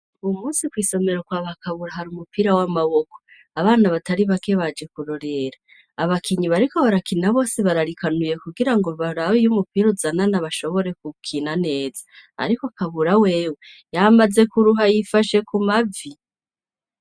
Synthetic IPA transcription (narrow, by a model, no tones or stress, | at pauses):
muːnsikwiːso̞me̞ɾo̞kwaβakʰaβuɾaɦaɾumupiɾawamaβo̞ko̥ | aβaːnaβataɾiβakʰe̞βad͡ʒe̞kuɾo̞ɾe̞ɾaː | βakʰiɲiβaɾiko̞βaɾakinaβo̞ːsiβaɾaɾikʰanuje̞kuɡiɾaŋɡo̞βaɾawijumupiɾuzananaβaʃo̞βo̞ɾe̞k̚ukʰinane̞ːzaa̰ɾikoakaβuɾawe̞ːwe | jamaze̞kuɾuɦajifaʃe̞kumavi